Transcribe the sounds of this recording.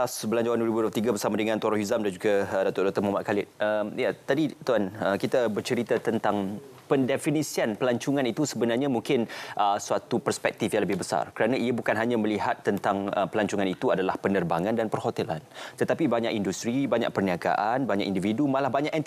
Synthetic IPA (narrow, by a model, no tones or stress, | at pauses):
asbəlaɲd͡ʒawanduwəɾibuduplt̪iɡabərsamadəŋãnt̪waɾahuzamdand͡ʒuɡadat̪ɔdak̚t̪ʊrmamaʔ̚kalɪt̪̚əmjat̪adit̪uanəkit̪abərt͡ʃəɾit̪at̪ənt̪aŋ | pəndɛfinisianpəlaɲt͡ʃuŋãnit̪usəbənarɲãmuŋkɪnʔəsuat̪upərspɛk̚t̪ifjaŋləbɪhbəsa̰rkəɾanãiabukanɦaɲãməliɦat̪ːənt̪aŋəpəlaɲt͡ʃuŋanit̪uadalahpənərbaŋandanpərhot̪ɛla̰nt̪ət̪apibaɲakindust̪ɾibaɲa̰k̚pərniaɡa̰ʔanbaɲaʔkindividumalahbaɲakɛnt̪